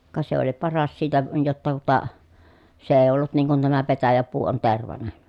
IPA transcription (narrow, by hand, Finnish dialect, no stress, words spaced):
kɑ se oli pɑrɑs siːtæ jotːɑ tuŏtɑ se eˑi̯ olːut niːŋ kun tæmæ petæjæpuː on terʋɑnen̞